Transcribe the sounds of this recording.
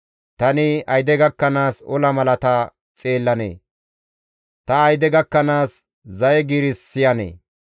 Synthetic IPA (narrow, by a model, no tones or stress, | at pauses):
t̪ɐnɪɐjd̪ɛɡɐkːɐnaːsɔlɐmɐlɐt̪ɐ | t͡sʼe̞ːlːɐnḛː | t̪ɐːjd̪ɛɡɐkːɐnaːs | zɐjɛɡiɾɪsːɪjɐnḛː